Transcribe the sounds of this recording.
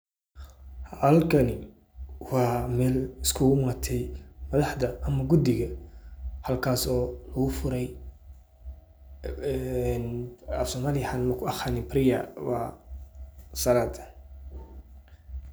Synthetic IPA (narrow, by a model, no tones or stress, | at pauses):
ɐlkʰɐnɪ | wɑːmɛːlɪskʰʊɣmaːt̪ʰɛjmɐðɑħd̪ɐʔɐmɐɡʊd̪ɪɣɐ | hɐlkʰaːsɔːlɐɣʊfʊɾɛj | ɛnɐfsɔmalɪjħanmɐkʰʊɑχanɪpɾɪjɐ̰wɑ̰ː | sɐɾaːd̪ʰ